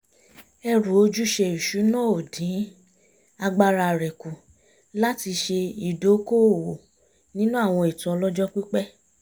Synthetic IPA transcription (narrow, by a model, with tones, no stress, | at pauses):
ɛ˧ɾũ˨o˦d͡ʒu˦ʃe˧i˨ʃu˨˦nɔ̃˦˨o˨dĩ˨˦ | a˧ɡ͡ba˧ɾa˧˨ɾɛ˨ku˨ | la˦ti˧ʃe˧i˨do˨˦ko˦˨wo˨ | nĩ˦nũ˦a˦˨w̃ɔ̃˧e˨tũ˨ɔ˧lɔ˦d͡ʒɔ˦k͡pi˦k͡pɛ˦